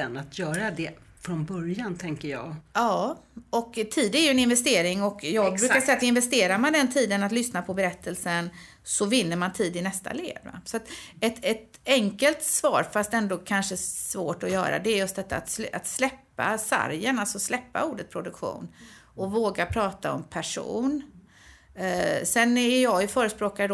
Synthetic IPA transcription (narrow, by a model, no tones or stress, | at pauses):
ɛnat̪ʰjœːɾad̪ɛ | fɾɔnbœɾjant̪ʰɛŋkəɾjɑ̰ːɡɑːɔkt̪ʰiːd̪æɾjɵɛnɪnvɛst̪eːɾɪŋɔkjɑːɡbɾʉkaɾsɛjːat̪ɪnvɛst̪eːɾaɾmand̪ɛnt̪ʰiːd̪ənat̪lʏsnapʰɔbɛɾɛt̪ʰːəlsən | sɔvɪnːəɾmant̪ʰiːd̪ɪnɛst̪ʰa̰lḛːvsɔat̪ɛt̪ɛt̪ | ɛŋkəlt̪svɑ̰ːɾfast̪ɛnd̪oːkʰanʂəsvoːʈɔjœ̰ːɾa̰d̪ɛːɾjɵst̪̚d̪ɛt̪ːa̰ːt̪sat̪slɛpːa̰sa̰ɾjənalsɔslɛpːa̰uːɖət̪̚pʰɾʊd̪ɵkɧṵːn | ɔvoːɡapʰɾɑːt̪aɔ̰mpʰæʂṵːn | sɛnæɾjɑːjɵfœːɾəspɾoːkad̪d̪